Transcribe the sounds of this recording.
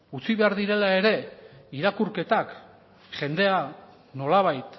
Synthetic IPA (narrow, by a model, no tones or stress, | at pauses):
ut͡siβe̞aɾðiɾe̞lae̞ɾe̞iɾakuɾke̞t̪ak | ʝe̞nd̪e̞a | no̞laβ̞ajt̪